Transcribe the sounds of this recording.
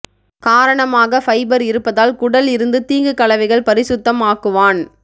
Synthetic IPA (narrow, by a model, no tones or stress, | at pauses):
kaːɾɐɳɐmaːɣɐfɐɪbɐɾɪɾɯpːɐðaːlkʊɽɐlɪɾɯnd̪ɯt̪iːŋɡɯkɐɭɐʋɐɪɣɐɭpɐɾɪsʊt̪ːɐmaːkɯʋaːn